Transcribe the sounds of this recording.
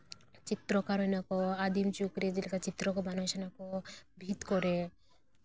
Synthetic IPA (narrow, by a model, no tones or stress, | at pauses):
t͡ʃit̪ːɾɔkaɾɔnakɔad̪imt͡ʃukɾed͡ʒilkat͡ʃit̪ːɾɔkɔbanoʃanakɔbʱit̪kɔɾe